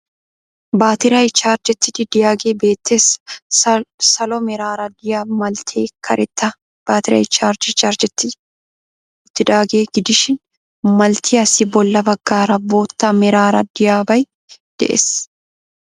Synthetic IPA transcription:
baːt̪ɪɾɐɪt͡ʃːaːɾd͡ʒɛt̪ːɪd̪ɪd̪ɪjaːɡe̞ːbe̞ːt̪ːeːs | sɐlɔmɛɾaːɾɐd̪ɪjamɐlt̪ʰeːkʰɐɾʔɛt̪ːɐ | b̥aːt̪ɪɾɐ̰ɪt͡ʃːaːɾd͡ʒɛt͡ʃːaːɾd͡ʒɛt̪ːɪ | ɪt̪ːɪᶑaːɡe̞ːɡɪd̪ɪʃɪn | mɐlt̪ʰɪjɐsɪbɔlːɐbɐɡːaːɾɐbo̞ːt̪ːɐmɛɾaːɾɐd̪ɪjaːbɐj | d̪̥ɛʔḛs

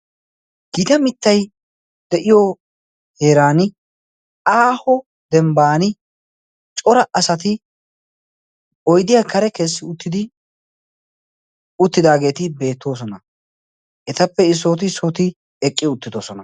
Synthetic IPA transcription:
ɡ̥it̪ɐmɪt̪ːɐj | d̪ɛʔɪjo | he̞ːɾaːnɪ | aːhɔ | d̪ɛmbaːnɪ | t͡ʃʼɔɾɐʔɐsɐt̪ɪ | ɔjd̪ɪjaːkʰɐɾɛkeːsːɪʊt̪ːɪd̪ɪ | ʊt̪ːɪd̪aːɡe̞ːt̪ɪbe̞ːt̪ːo̞ːs̬ɔnɐ | ʔɛt̪ɐpːɛɪs̬ːo̞ːt̪̬ɪsoːt̪ɪ | ɛkʼːɪʊt̪ːɪd̪o̞ːsɔnɐ

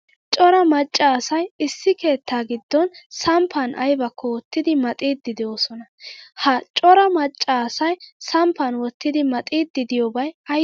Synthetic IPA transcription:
t͡ʃʼɔɾɐmɐt͡ʃʼːaːsɐjɪsːɪke̞ːt̪ʰːaːɡɪd̪ːɔnsɐmpʰːɐnʔɐ̰jbɐkʰːɔwɔt̪ːɪd̪ɪmɐt̪ʼiːd̪ːɪd̪ɪjoːsɔnɐhɐt͡ʃʼɔɾɐmɐt͡ʃʼːasɐjsɐmpːɐnwɔt̪ːɪd̪ɪmɐt̪ʼiːd̪ːɪd̪ɪjobɐjɐ

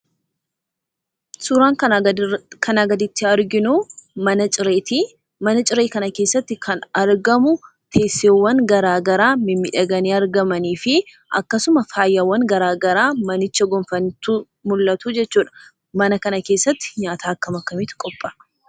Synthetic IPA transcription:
suːɾaːŋ | kʰɐnɐɡɐd̪ɪt̪ːɪɐɾɡɪnumɐnɐt͡ʃʼɪɾeːt̪i | mɐnɐt͡ʃʼɪɾeːkɐnɐkeːsːɐt̪ːɪkʰɐnɐɾɡɐmʊ | t̪ʰe̞ːsːeːwːɐŋɡɐɾaːɡɐɾaːmɪmːɪᶑɐɡɐniːɐɾɡɐmɐniːfɪ | ʔɐ̰kːɐsʊmɐfaːjːɐwːɐŋɡɐɾaːɡɐɾaːmɐnɪt͡ʃːɐɡɔmfɐnt̪u | mʊlːɐt̪uːd͡ʒɛt͡ʃːuːᶑɐ̥ | mɐnɐkɐnɐke̞ːsːɐt̪ːɪ̥ɲaːt̪ʰaːɐkːɐmɐkːɐmɪt̪kʼɔpʼːɐ

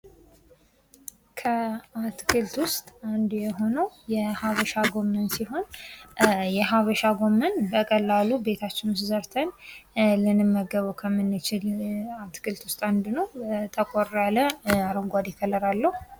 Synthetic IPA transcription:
kʰəat̪kʰɨlt̪wʊst̪ʼand̪jɛɦo̞nəwjɛhaβəʃaɡo̞mːənsiɦo̞n | jɛɦaβəʃaɡo̞mːənbəkʼəlːalube̞t̪ʰat͡ʃːɪnuszəɾt̪ʰənlɨnɨmːəɡəβukʰəmːɨnːɨt͡ʃɪlat̪kʰɨlt̪wʊst̪ʼand̪nəwt̪ʰəkʼoɾaləaɾəŋɡʷad̪ikʰələɾalːəhu

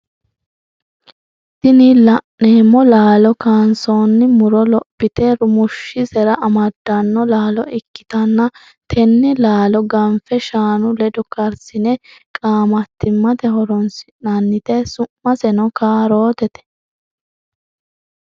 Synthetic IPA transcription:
t̪ɪnɪlɐʔneːmːɔlaːlɔkaːnso̞ːnːɪmʊɾɔlɔpːɪt̪ɛɾʊmʊʃːɪsɛɾɐʔɐmɐd̪ːɐnːɔlaːlɔɪkːɪ̥t̪ɐnːɐ | t̪ʰɛnːɪlaːlɔɡɐnfɛʃaːnʊlɛd̪ɔkɐɾsɪnɛkʼaːmɐt̪ːɪmːɐt̪ɛhɔɾɔnsɪ̥nɐnːɪt̪ɛsʊmːɐsɛnɔkaːɾoːt̪ɛt̪ɛ̥

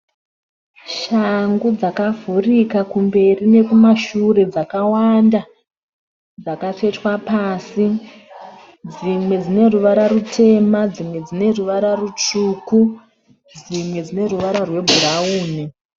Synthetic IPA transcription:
ʃaŋɡud͡zakavʱurikakumbe̞rine̞kumaʃure̞d͡zakawanda | d͡zakafe̞twapaːsi | d͡zimwe̞d͡zine̞ruʋaɾaɾutʰe̞mad͡zimwe̞d͡zine̞ruʋaɾarut͡ʂuːku | d͡zimwe̞d͡zine̞ruʋaɾarwe̞bʱurauːni

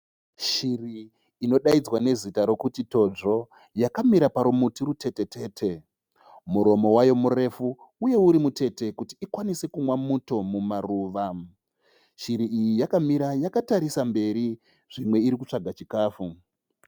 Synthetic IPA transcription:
ʃiriː | no̞ɗaid͡zwane̞zitaɾo̞kutito̞d͡ʐo̞ | jakamiɾapaɾumutiɾute̞te̞te̞ːtʰe̞ | muɾo̞mo̞wajo̞mure̞fuː | je̞uɾimute̞te̞kutiːkwanise̞kumwamuto̞mumaruːʋa | ʃiɾiijijakamiɾajakataɾisambe̞ɾi | ʐ̥imwe̞iɾikut͡ʂaɡʱat͡ʃikaːfu

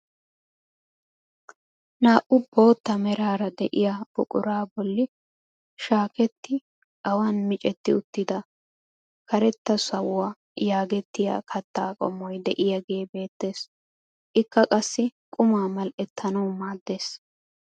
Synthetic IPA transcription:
naːʔʊbo̞ːt̪ːɐmɛɾaːɾɐd̪ɛʔɪjab̥ʊkʼʊɾaːbɔlːɪ | ʃaːkɛt̪ːɪ | ɐwaːnmɪt͡ʃʼɛt̪ːɪʊt̪ːɪd̪ɐ | kʰɐɾɛt̪ːɐsɐwwaː | jaːɡɛt̪ːɪja̰ːkʰɐt̪ːaːkʼɔ̰mːɔjd̪ɛʔɪjɐɡe̞ːbe̞ːt̪ːe̞ːs | ʔɪkːɐkʼɐsːɪkʼʊmaːmɐlɛt̪ʰːɐnɐwmaːd̪ːe̞ːs

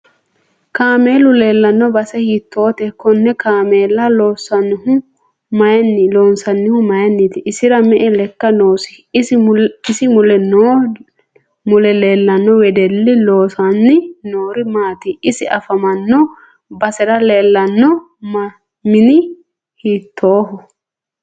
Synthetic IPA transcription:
kaːmeːlʊle̞ːlːɐnːɔbɐsɛhiːt̪ːoːt̪ɛkːɔnːɛkaːmeːlːɐlo̞ːsːɐnːɪhʊ | mɐjɐnːloːnsɐnːɪhʊmɐjɐnːit̪ɪʔɪsɪɾɐmɛʔɛlɛkːɐnoːsɪ | ɪsɪmʊlɛno | mʊlɛleːlːɐnːɔwɛd̪ɛlːɪloːsɐnːɪnoːɾɪmaːt̪ɪʔɪsɪʔɐfɐmɐnːɔ | bɐsɛɾɐleːlːɐnːɔ | mɪnɪ | hiːt̪ʰːoːɦɔ

